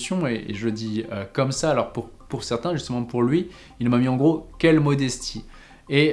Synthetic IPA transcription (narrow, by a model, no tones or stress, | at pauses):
sjɔ̃eḛʒələd̪iøkɔmsaːlɔʁpuʁpuʁsɛʁt̪ɛ̃ʒyst̪əmɑ̃puʁlɥi | ilmamiɑ̃ɡʁokʲɛlmɔd̪ɛst̪ʰi | e